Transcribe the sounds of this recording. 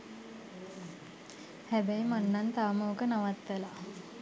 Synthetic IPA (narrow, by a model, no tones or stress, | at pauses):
hæbæjimanːant̪aʋəməokənaʋat̪ʋəla